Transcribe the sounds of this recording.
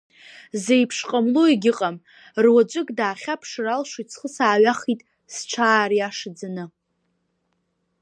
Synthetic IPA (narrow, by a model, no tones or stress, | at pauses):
zejpʰʂqʼamlueɡʲɪqʼam | rwad͡ʒʷʼɪkʼdaːχʲapʰʂralʂot͡sʰχəsaːɥaχitʼ | sʈ͡ʂʷʰaːrjaʂd͡zanɨ